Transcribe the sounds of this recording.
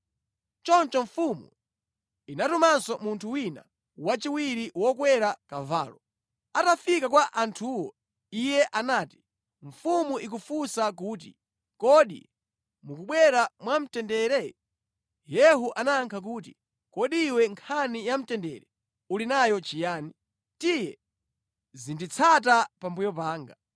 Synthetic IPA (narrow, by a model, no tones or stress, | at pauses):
t͡ʃɔnt͡ʃɔɱfumṵ | inatumansɔmuntʰuwina̰ | wat͡ʃiwiɾiwɔkwɛɾakava̰ːlɔ | atafikakwaʔantʰuːwɔ | ijɛʔanaːti̥ | ɱ̩fumuʔik̬ufusak̬uːt̬i | kɔɗḭ | mukuɓwɛɾamwam̩tɛndɛɾɛ | jɛɦuʔanaŋkʰak̬uːt̬i | kɔɗiːwɛŋkʰanijam̩tɛndɛɾɛ | ulinajɔt͡ʃijaːni | tijɛ | zindit͡sʰat̬apambujɔp̬aːŋɡa